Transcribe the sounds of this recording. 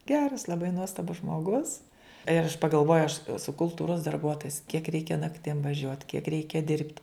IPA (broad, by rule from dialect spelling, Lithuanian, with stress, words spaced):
ˈɡʲæːrɐs lˠɐˈbɐɪ ˈnuɔstɐbʊs ʒmoːˈɡʊs ɪr ɐʃ pɐɡɐlˠˈʋoːjʊ ɐʃ ɛˈsʊ kʊlˠˈtuːroːs dɐrˈbuɔtoːjɪs kʲiɛk ˈrʲɛɪkʲɛ nɐkˈtʲɪm ʋɐˈʒʲuɔt kʲiɛk ˈrʲɛɪkʲɛ ˈdʲɪrʲpʲtʲɪ